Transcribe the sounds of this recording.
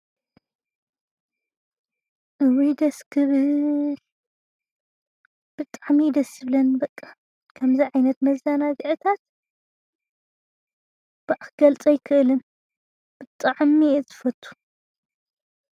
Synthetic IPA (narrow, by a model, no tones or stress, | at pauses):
ʔɨwid̪ɐskʰɨβɨl | b̥ɨt̪ʼaʕmid̪ɐsjɨβlɐnbɐkʼːa | kʰɐmziʕajnɐt̪mɐzːanaziʕɨt̪ʰat̪ | b̥aʕxɡɐlt͡sʼɐjkʰɨʔlɨn | b̥ɨt̪ʼːaʕmizɨfɐt̪ʼʰːu̥